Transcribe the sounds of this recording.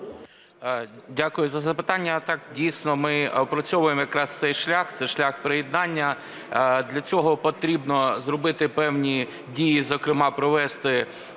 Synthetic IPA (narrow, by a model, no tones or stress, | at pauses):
dʲakʊjʊzɐzɐpɪt̪ɑnʲːɐt̪ɑk̚dʲijsʲnɔmɪpɾɔt͡sʲɔʋʊjemɔjɐkɾɑst̪sɛjʃlʲaxt̪sɛʃlʲaxpɾejɪd̪nɑnʲːɐ | d̪lʲɐt͡sʲɔɦɔpɔt̪ɾʲibnɔzrɔbɪt̪ɪpɛwnʲi | dʲijizɔkɾɪmɑpɾɔʋɛst̪ɪ